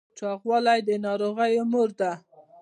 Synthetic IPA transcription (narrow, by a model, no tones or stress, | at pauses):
t͡ʃɑɣwɑlajd̪ənɑɾoɣəjʊmʊɾd̪a